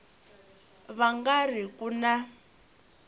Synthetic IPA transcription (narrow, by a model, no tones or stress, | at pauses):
βaŋɡarikuna